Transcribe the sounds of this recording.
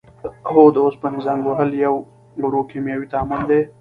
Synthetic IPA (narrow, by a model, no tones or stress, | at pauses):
ɦod̪əospənɪzaːmɡoɦəljɐw | ɡuɽokʰemjaːwit̪aːmʊnd̪e